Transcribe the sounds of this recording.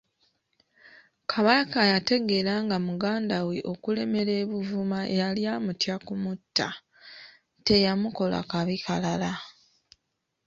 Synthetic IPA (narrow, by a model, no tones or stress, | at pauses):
kʰaβakajate̞ɡe̞ɾaːŋɡamuɡaːndaweʔo̞kule̞me̞ɾeːβuvumaʔejaljaːmutjakumutʰːa̰ | te̞jamuko̞la̰kaβikʰalala